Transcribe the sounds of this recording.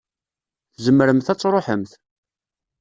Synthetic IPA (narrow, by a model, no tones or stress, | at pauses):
θzəmːəɾəmθæt͡sːɾˤoħəmθ